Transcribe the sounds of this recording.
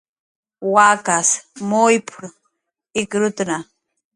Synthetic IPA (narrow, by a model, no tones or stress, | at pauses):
waːkasmojpʰʊɾ | ɪkɾʊt̪ɾa